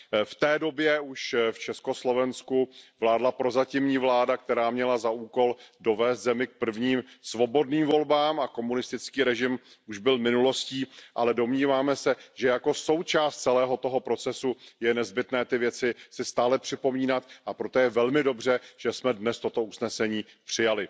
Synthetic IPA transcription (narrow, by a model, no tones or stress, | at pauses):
ft̪ɛːdo̞bjɛuʃft͡ʃɛsko̞slo̞vɛnskuvlaːdlapɾo̞zacɪmɲiːvlaːdak̚t̪ɛɾaːmɲɛlazaʔuːko̞ldo̞vɛːst̪zɛmɪk̚pr̩vɲiːmsvo̞bo̞dniːmvo̞lbaːmako̞munɪst̪ɪt͡skiːɾɛʒɪm | ʔuʒbɪlmɪnulo̞sciːʔalɛdo̞mɲiːvaːmɛsɛʒ̥ɛjako̞so̞wt͡ʃaːst̪̚t͡sɛlɛːɦo̞t̪o̞ɦo̞pɾo̞t͡sɛsujɛnɛzbɪt̪nɛːt̪ɪvjɛt͡sɪsɪst̪aːlɛpr̝̥ɪpo̞miːnat̪ʔapɾo̞t̪ojɛvɛlmɪdo̞br̝ɛʒ̥ɛsmɛdnɛst̪o̞t̪o̞usnɛsɛɲiː | pr̥ɪjalɪ